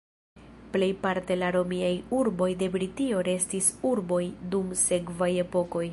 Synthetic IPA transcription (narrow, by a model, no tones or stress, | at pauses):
ple̞jpaɾte̞laɾo̞miajuɾbo̞jde̞bɾitio̞ɾe̞stisuɾbo̞jdumse̞kvaje̞po̞ko̞j